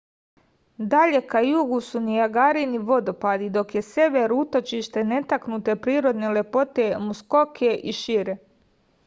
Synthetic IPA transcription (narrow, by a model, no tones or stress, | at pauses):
d̪aʎe̞kajuɡusunijaɡaːɾiniʋo̞d̪o̞pad̪id̪o̞kje̞seʋeɾuut̪o̞t͡ʃiʃt̪e̞ne̞t̪aknut̪e̞pɾiːɾo̞d̪nele̞po̞t̪emusko̞kʰeʔiʃiɾe